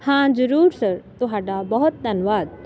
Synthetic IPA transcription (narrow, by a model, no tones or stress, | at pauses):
hãːd͡ʒɐɾuːɾsɐɾt̪oɦaːɖabɐɦʊt̪̚d̪ʱɐnʋaːd̪̚